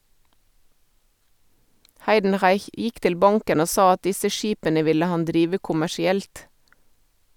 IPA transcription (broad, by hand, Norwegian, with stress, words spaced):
ˈhɑɪdn̩ˌʁɑɪç ˈjɪk ˈtɪl ˈbɑŋkən ˈoː ˈsɑː ˈɑt ˈdɪsə ˈʃiːpənə ˈʋɪlə ˈhɑn ˈdɾiːʋə kʊmæʃɪˈɛlt